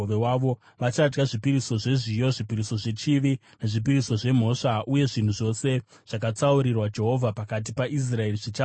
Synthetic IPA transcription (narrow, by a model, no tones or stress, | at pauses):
oʋewaʋo̞ | ʋat͡ʃad͡ʒɡaʐipiɾiso̞ʐe̞ʐijo̞ʐipiɾiso̞ʐe̞t͡ʃiʋi | neʐip̬iɾiso̞ʐe̞m̤o̞ʂaʔuje̞ʐin̤uʐo̞se̞ | ʐ̥akat͡sauɾirwad͡ʒe̞ɦo̞vʱapakat̬ipaʔis̬rae̞riʐit͡ʃa